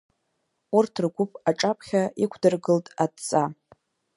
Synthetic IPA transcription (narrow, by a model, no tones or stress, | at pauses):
urtʰrɡʷʊpʼaʈ͡ʂʼapʰʼχʲaikʷʰdɨrɡɨltʼadt͡sʼa